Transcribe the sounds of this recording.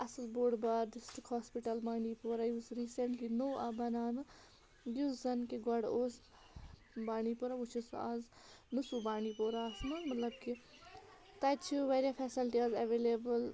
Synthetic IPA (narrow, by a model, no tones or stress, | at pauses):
ɐslboːɽbaːɾɖɪsʈikhɔːspiʈɐlbaːɳipoːɾaiʋzɾiːseɳʈlinoːabɐnaːnɨ | juzɐnkiɡɐɽoːs | baːnipoɾaʋut͡ʃʰusa̰ːz | nusubaːɳipoːɾasmɐnmɐt̪lɐb̚ki | t̪ɐt͡ʃʰuʋeɾiafʰɛːsilʈiazɐʋelebəl